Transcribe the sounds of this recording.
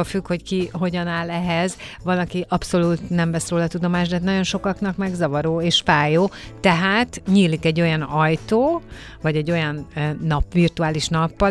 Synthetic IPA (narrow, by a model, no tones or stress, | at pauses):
ofykho̞ckiɦo̞ɟɒnaːlɛɦɛzvɒlɒkiʔɒpso̞luːt̪nɛmvɛsroːlɒt̪ud̪o̞maːʃd̪ɛɦːt̪nɒɟo̞nʃo̞kɒknɒkmɛɡzɒvɒɾoːeːʃfaːjoːt̪ɛɦaːt̪ɲiːlikɛɟːo̞jɒnɒjt̪oː | vɒɟɛɟːo̞jɒnːɒpʋirt̪uaːliʃnɒpːɒ